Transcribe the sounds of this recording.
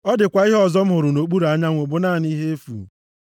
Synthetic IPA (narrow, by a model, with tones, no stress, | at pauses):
ɔ˦dɪ˨kʷa˨i˦ɦɔ˨zɔ˦m̩˦ɦʊ˨ɾʊ˨no˨k͡pu˦ɾa˦ɲa˦ŋʷo˨bʊ˦naː˦˨ni˦ɦe˦e˦fṵ˨m̩˨